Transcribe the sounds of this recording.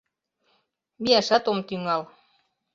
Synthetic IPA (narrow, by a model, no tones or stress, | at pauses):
miæʃæt̪omt̪yŋɑl